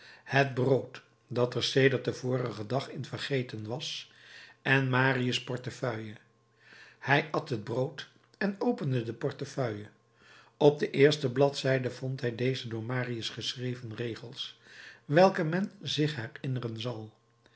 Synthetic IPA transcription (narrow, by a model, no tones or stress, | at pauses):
həd̚browt | dɑtəɹsejdəɹt̚dəvʊːɾəχədɑχɪnvəɹχejtənʋɑs | ɛnmaːriəspɔɹtəfœɥjə | hɛjɑtɦəd̚browt | ɛnowpəndədəpɔɹtəfœɥə | ɔb̚dəʔɪːɹstəblɑtsɛjdəvɔntɦɛjdejzədʊːɹmaːriəsχəsrejvənrejχəlˠsʋɛlˠkəmɛnzɪχɦɛɹɪnərənzɑlˠ